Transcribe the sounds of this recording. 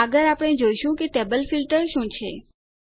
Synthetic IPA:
əɡəɾapɽ̃ed͡ʒoiʃũkeʈebəlfilʈəɾʃũt͡ʃʰḛ

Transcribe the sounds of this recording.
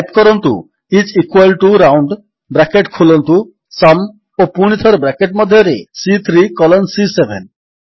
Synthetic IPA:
jpkɔɾɔnt̪ṵ | it͡ʃikwalʈuɾawɳɖ | bɾakeʈkʰulɔnt̪u | sam | opuɽ̃it̪ʰɔɾbɾakeʈ̚mɔd̪ʱːjɔɾesit̪ʰɾikɔlɔnsisebʱen

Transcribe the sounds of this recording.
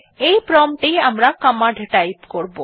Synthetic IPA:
ejpɾɔmʈejamɾakamaɖʱʈajpkoɾbo

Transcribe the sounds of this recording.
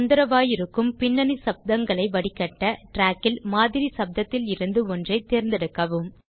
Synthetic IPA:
nd̪ɐɾɐʋaːjɪɾɯkːɯmpɪnːɐnisɐb̚d̪ɐŋɡɐɭɐɪʋɐɽɪkːɐʈːɐʈɾaːkːɪlmaːðɪɾisɐb̚d̪ɐt̪ːɪlɪɾɯnd̪ɯɔndrɐɪt̪eːɾnd̪ɛɽɯkːɐʋɯm

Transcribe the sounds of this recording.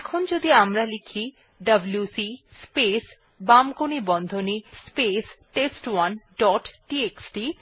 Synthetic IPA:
ɛkʰond͡ʑod̪iamɾalikʰi | ɖɐbljusi | spes | bamkonibɔnd̪ʱonispesʈesʈwanɖɔʈʈieksʈi

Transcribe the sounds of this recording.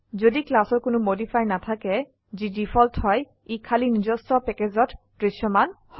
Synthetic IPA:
zodiklasɔɹkʊnʊmodipʰajnat̪ʰakɛ | zidipʰɔlthɔj | ikʰalinid͡ʒɔstɔpɛked͡ʑɔttɹiʃɔman | hɔ

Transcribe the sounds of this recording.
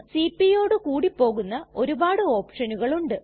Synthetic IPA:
sipːijo̞ːɽɨkuːɽipːo̞ːɣunːɐo̞ɾubaːɽɨo̞ːpʂɐnuɣɐɭuɳɖɨ

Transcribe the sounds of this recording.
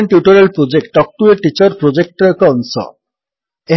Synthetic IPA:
ɳʈjuʈoɾelpɾod͡ʑek̚ʈ̚ɖɔk̚ʈuɾeʈit͡ɕɔɾpɾod͡ʑek̚ʈokɔnsɔ̰ | e

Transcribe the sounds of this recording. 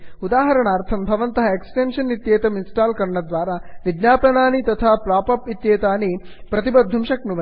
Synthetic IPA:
ud̪aːɦɐɾɐɳaːɾt̪ʰɐmbʱɐʋɐnt̪ɐɦɐeksʈenʂɐnːit̪jeːt̪ɐminsʈaːlkɐɾɐɳɐd̪ʋaːɾaʋid̪naːpɐnaːnit̪ɐt̪ʰaːpɾaːpɐpit̪jeːt̪aːni | pɾɐt̪ibɐd̪ʱːumʂɐknuʋɐ

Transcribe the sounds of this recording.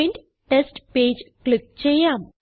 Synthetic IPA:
inɖ | ʈesʈpeːd͡ʑkɭik̚t͡ɕejːaːm

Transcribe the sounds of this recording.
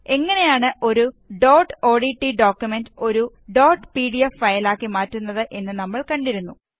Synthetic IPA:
e̞ŋːɐne̞jaːɳɨʔo̞ɾuɖoːʈo̞ːɖiʈːiɖoːkjumendo̞ɾu | ɖo̞ːʈpiːɽijɐfːɐjlaːkːimaːtːunːɐðɨʔe̞nːɨnɐmːɐɭkɐɳɖiɾunːu

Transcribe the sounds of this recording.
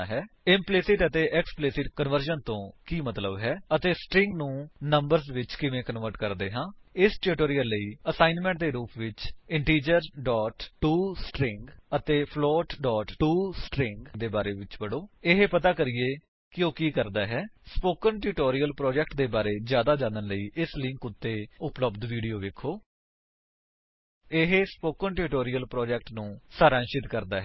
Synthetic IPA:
ɦɛː | ɪmpleːsɪʈət̪eːʔɛkspleːsɪʈkənʋəɾd͡ʒənt̪õːkiːmət̪ləbɦɛːət̪eːsʈɾɪ̃ŋɡnũːnəmbəɾzʋɪt͡ʃkɪʋẽːkənʋəɾʈkəɾd̪eːɦãːɪsʈːʈoːɾijəlːəiːəsaːɪnmɛ̃ːɳʈ̚d̪eːɾuːpʰʋɪt͡ʃɪɳʈiːd͡ʒəɾɖɔːʈʈːuːsʈɾɪ̃ŋɡət̪eːpʰlɔːʈɖɔːʈʈuːsʈɾɪŋɡd̪eːbaːɾeːʋɪt͡ʃbəɽoːɪɦpət̪aːkəɾiːeː | kɪoːkiːkəɾd̪aːɦɛːspoːkənʈɪʈoːɾijəlpɾɔːd͡ʒɛk̚ʈd̪eːbaːɾeːzjaːd̪aːd͡ʒãːnənləiːʔɪslɪ̃ŋkʊt̪ːeːʊpləbd̪ʋiːɖijoːʋeːkʰːoː | ɪɦespoːkəɳʈɪɾɪʈoːɾijəlpɾɔːd͡ʒɛːk̚ʈnũːsaːɾaːnʃɪt̪kəɾd̪aːɦɛː

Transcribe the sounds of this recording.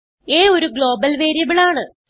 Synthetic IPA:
eːo̞ɾuɡɭo̞ːbɐlʋeːɾijɐbiɭaːɳɨ

